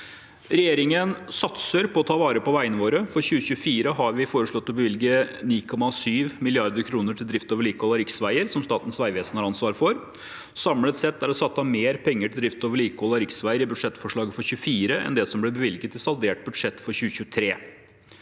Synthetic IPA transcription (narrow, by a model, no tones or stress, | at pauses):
ɾɛjeːɾɪŋənsɑt̪səɾpʰɔɔt̪ʰɑːʋɑːɾəpɔʋæɪənəʋoːɾəfɔɾçʉːəçʉəfiːɾəɦɑɾʋɪfoːɾəʂɭɔt̪ːɔbəʋɪlɡəniːkʰɔmɑsyːʋmɪlɪɑɾd̪əɾkʰɾuːnəʈʰɪld̪ɾɪft̪oːʋəɭiːkɔlɑɾɪksʋæɪəɾsɔmst̪ɑːt̪ən̩sʋæɪʋeːsənhɑɾɑnsʋɑːɾfɔɾ | sɑmlət̪sɛt̪ːæɾɔsɑt̪ːɑmeːɾpʰɛŋːəʈʰɪld̪ɾɪft̪oːʋəɭiːkɔːlɑɾɪksʋæɪəɾɪbʉd̪ʂɛt̪ːfɔʂɭɑːɡəfɔɾçʉːfiːɾəʔɛ̰nd̪ɛsɔmblɛbəʋɪlɡət̪ɪsɑld̪eːʈ̚bʉd̪ʂɛt̪ːfɔɾçʉːəçʉːt̪ʰɾeː